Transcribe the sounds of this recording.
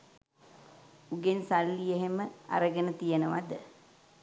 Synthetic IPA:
uɡensalːijeɦeməa̰ɾəɡənət̪ijənəʋad̪ə

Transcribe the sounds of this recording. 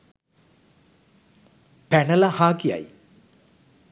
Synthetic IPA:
pænəlɐhaːkija̰j

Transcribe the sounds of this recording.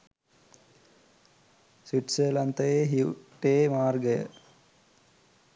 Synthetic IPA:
swiʈselɐnt̪ɐjeːɦiuʈeːmaːrɡəjə̰

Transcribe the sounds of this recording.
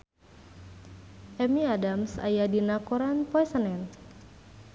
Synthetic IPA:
ʔɛmiadamsa̰jadinakɔɾanpɔɛsənɛn

